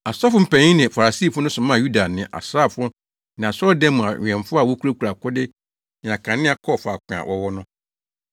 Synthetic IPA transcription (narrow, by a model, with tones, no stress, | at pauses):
a˨sa˦fʊ˦m̩˨pæ̃˨ɲĩ˦nɪ̃˨fa˨ɾa˨si˦˨fʊ˦nʊ̃˦sʊ̃˨mã˦˨ju˦da˨nɪ̃˨ʔa̰˨sɾa˦˨fʊ˦ | nɪ̃˨a˨sɔ˦dɛ̃˦mʊ̃˨ã˨ɛ̃˨ɱfʊ˦a˨wɔ˦ku˦a˦ku˨ɾa˨kʊ˦dɪ˦ | nɪ̃˨a˨kʰã˨nɪ̃˦a˨kʰɔ˦˨fʊ˨a˨kʷʰã̰˨wʔɔ˦wɔ˦nʊ̃˦